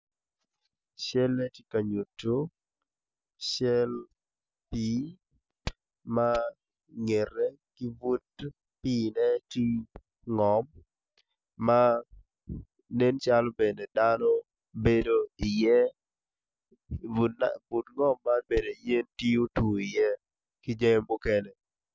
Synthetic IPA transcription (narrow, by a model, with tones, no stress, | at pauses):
ʃɛ˦lːɛ˦ti˦ka˨ɲu˨tːo˦ | ʃɛ˦l | pi˨ | ma˦ | ŋe˨rɛ˦kɪ˦vu˦t̚ | pi˦nɛ˦ti˦ | ŋɔ˨m | a˦ | ne˦nt͡ʃa˦lɔ˦be˨ne˨danɔ˦ | be˨do˦ɪ˨jɛ˦ | u˨bu˨tŋɔ˦mːa˦nbe˨do˨i˨je˦nti˦o˦tu˨i˨jɛ˦ | kɪ˦d͡ʒe˦ŋ˦mbu˦ke˦ne˨